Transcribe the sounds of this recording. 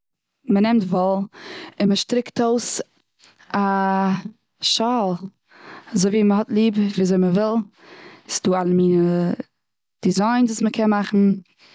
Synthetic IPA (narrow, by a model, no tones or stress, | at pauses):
mənɛmtvɔlˠɪnməʃtɾɪktoʊs | a | ʃalˠ | azoɪviːməɦɔtlˠiːbviːazoɪməvɪlˠ | sɪ̥duːalˠəmiːnə | d̥ɪzaɪnduːsməkʰɛnmaχn̩